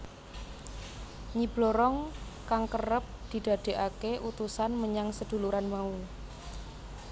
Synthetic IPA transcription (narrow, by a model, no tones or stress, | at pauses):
ɲib̥loɾɔŋkaŋkərəp̚d̪̥i̤d̪̥ä̤d̪̥e̤ʔakeʔut̪usanməɲaŋsəd̪̥ṳluɾanmau